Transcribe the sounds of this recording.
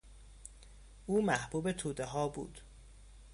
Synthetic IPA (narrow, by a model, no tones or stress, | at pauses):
ʔuːmæhb̥uːbe̞t̪ʰuːd̪eɦɒːbṵːd̪̥